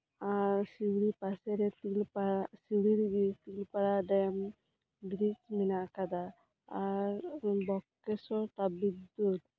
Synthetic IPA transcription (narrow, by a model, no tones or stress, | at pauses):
aɾsiwɽipaseɾet̪ilpasiwɽiɾɡit̪ilpaɽaɖam | dɾit͡ʃminakad̪aː | ɾbɔkːesɔt̪abid̪ud̪